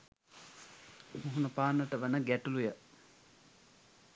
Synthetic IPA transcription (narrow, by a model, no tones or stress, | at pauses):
huɦunəpaːnːəʈəʋənəɡæʈulujə